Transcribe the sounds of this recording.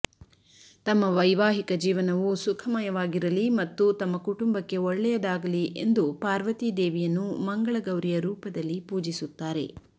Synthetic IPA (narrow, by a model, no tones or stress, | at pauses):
t̪ɐmːɐʋɐjʋaːɦikɐd͡ʒiːʋɐnɐʋusukʰɐmɐjɐʋaːɡiɾɐlimɐt̪ːut̪ɐmːɐkuʈumbɐkːe̞ɔɭːɛjɐd̪aːɡɐliʔe̞nd̪upaːɾʋɐt̪id̪eːʋijɐnːumɐŋɡɐɭɐɡɐwɾijɐɾuːpɐd̪ɐlːipuːd͡ʒisut̪ːaːɾe̞̰